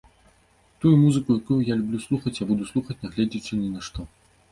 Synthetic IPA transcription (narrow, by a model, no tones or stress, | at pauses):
t̪ujumuzɨkujakujujalʲubʲlʲuslˠuxɐt͡sʲjabud̪uslˠuxɐt͡sʲnɐɣlʲɛd͡zʲit͡ʂɨnʲinɐʂt̪ɔ